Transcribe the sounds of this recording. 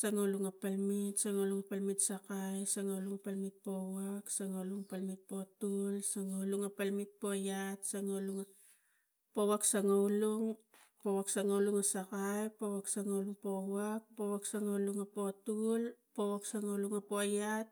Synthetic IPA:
saŋauluŋapalmitsaŋauluŋapalmitsakajsaŋauluŋapalmit̪̚po̞waksaŋauluŋapalmit̚po̞tulsaŋauluŋapalmit̚po̞jatsaŋaluŋa | po̞waksaŋauluŋ | powaksaŋauluŋasakajpo̞waksaŋauluŋpo̞wak̚po̞waksaŋauluŋapo̞tulpo̞waksaŋauluŋapo̞jat̚

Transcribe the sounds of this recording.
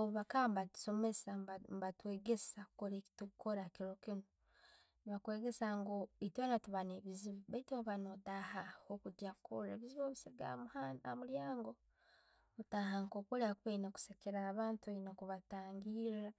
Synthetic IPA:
oβuβakambatu̥so̞me̞sambatwe̞ːɡesakoɾetukoɾakiɾo̞kino | niβakwe̞ːɡe̞saŋɡoitwenatuβaneβiziβobaitoβanotahahokudjakoɾḛβiziβoβisiɡa̰mhanamuljaːŋɡo̞ː | taɦaŋkokoɾeakuβeinaku̥sekeɾaːβaːntueinakuβataːŋɡiɾa

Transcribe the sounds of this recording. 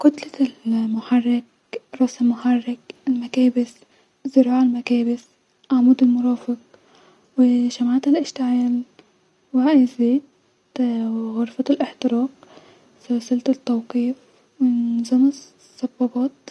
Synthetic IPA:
kʊt̪lalmʊħarˤːɪk̚ | ɾˤɑsɪmːʊħarˤːɪkɪlmakeːbɪs | zɪɾɑːʕalmakeːbɪs | ʔaʕmuːd̪ɪlmʊɾˤɑːfɪq | wɪʃamaʕt̪ɪlʔɪʃt̪aʕaːl | waʔɪziːd̪ | ɣʊɾˤfat̪ɪlʔɪħt̪ɪɾɑːq | salsalt̪ɪt̪ːawqiːf | wɪnzama | sˤːɑbːɑbɑːt̪

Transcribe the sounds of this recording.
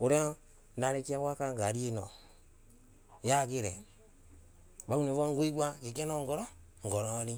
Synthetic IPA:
oɾe | naɾekiawakaŋɡaɾienɔ̰ | jaɡeɾɛ | baunevɔŋɡuiɡʷakikɛnɔŋɡɔɾɔ | ŋ̩ɡɔɾɔɾi

